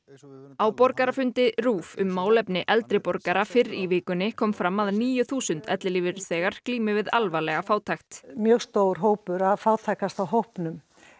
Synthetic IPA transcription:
awpɔɾkaɾafʏnt̪ɪɾuːfʏmːaːwlɛpnɪʔɛlt̪ɾɪpɔɾkaɾafɪɾivɪːkʏnːɪkʰɔːmfɾamːaðɾniːjʏθuːsʏnt̪ɛt̪lɪliːvɪɾθɛːɣaɾ̥kliːmɪvɪðalvalɛɣafaːwt̪ʰajxt̪mjœɣst̪owɾ̥ɦoːwpʏɾaðfawt̪ʰajkast̪awɦowhpnʏm

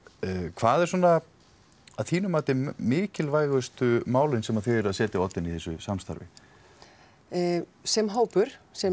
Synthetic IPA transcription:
kʰvaːðɛɾ̥sɔːnːa | aðθiːnʏmaːt̪ɪmɪːcɪlvaːjɣʏst̪ʏmaːwlɪnsɛmaðθejɛɾaðsɛːt̪ɪɔt̪ːɪniθɛsːʏsamst̪a̰ɾvɪ̰ | sɛmɦaːwpʏɾ̥sɛ

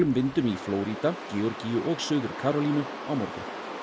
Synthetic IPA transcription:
lʏmvɪnt̪ʏmifloːwɾit̪acɛːɔɾcijʏʔɔɣsœːðʏɾ̥kʰaːɾɔliːnʏ | awmɔɾkʏ̰

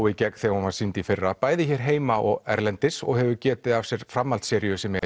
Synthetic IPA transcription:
wicɛk̪θɛɣɔmaɾsint̪ifɪrːapaːjðɪçɛɾ̥ɦeːjmaʔɔɣɛ̰ɾlɛnt̪ɪsɔ̰ɣhɛvʏcɛːt̪ɪðavsjɛɾ̥fɾamːalt̪sɛːɾɪjʏsɛmɛ

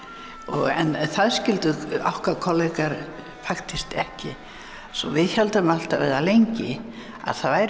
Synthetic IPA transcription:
ɔɣɛ̰nθaðscɪlt̪ʏawhkakʰɔlɛkaɾ | faxt̪ɪst̪ɛhcɪ | sɔvɪðçɛlt̪amal̥t̪avɛ̰ðalejɲcɪ | a̰ðθaðvajɾ

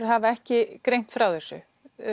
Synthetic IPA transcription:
ɦavaɛhcɪkɾejm̥t̪fɾawθɛsːʏ̰

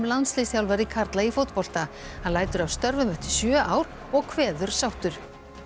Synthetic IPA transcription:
mlant̪slɪsçawlvaɾikʰaɾt̪laifowt̪̚pɔl̥t̪a | hanlaːjt̪ʏɾavst̪œɾvʏmɛht̪ʏ̥sjœːʔaːwɾ̥ | ɔɣkʰvɛːðʏɾ̥sawht̪ʏɾ̥

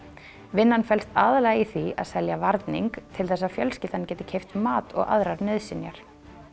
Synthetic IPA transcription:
vɪnːanfɛlst̪aːðalɛːɣaiθia̰ðsɛljavaɾt̪nḭŋkt̪ʰɪlθɛsːafjœlscɪːt̪anɪcɛːt̪ɪ̥cʰejft̪maːt̪ɔ̰ɣa̰ðɾaɾnʏðsɪnjaɾ̥

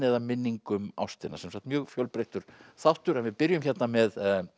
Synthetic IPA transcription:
ɛðamɪnːiŋkʏma̰wst̪ɪnːa̰sɛmsaːkt̪mjœːɣfjœlpɾejht̪ʏɾ̥θawht̪ʏɾɛnvɪðpɪɾjʏmçɛt̪namɛð

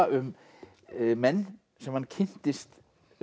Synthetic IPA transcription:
ʔʏmː | ɛnː | sɛmhanːcʰɪn̥t̪ɪst̪

